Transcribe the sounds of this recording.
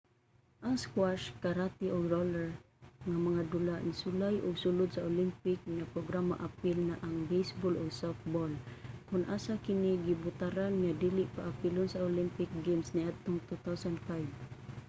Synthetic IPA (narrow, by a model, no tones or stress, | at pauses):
ʔaskwaʃkaɾat̪iʔʊɡɾolɛɹ | ŋamaŋad̪ʊlaʔnisʊlajʔʊɡsʊlʊd̪saolimpɪk̚ŋapɾoɡɾama̰ʔapɪlnaʔaŋbejsbɔlʊɡsɔf̚bɔlkʊnʔasakɪnɪɡibʊt̪aɾanŋadilɪʔpaʔapɪlʊnsaolimpɪk̚ɡemsniat̪ʊŋt̪ut̪awsand̪fajb